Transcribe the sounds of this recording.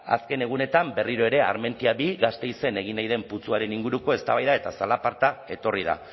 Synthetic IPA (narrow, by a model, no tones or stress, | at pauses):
a̰ske̞ne̞ɣ̞une̞t̪ambe̞riɾo̞e̞ɾe̞a̰ɾme̞nt̪iaβiɣast̪e̞jse̞ne̞ɣ̞inajðe̞mput͡suaɾe̞niŋɡuɾuko̞e̞st̪aβajðae̞t̪asalapaɾt̪ae̞t̪o̞rið̞a̰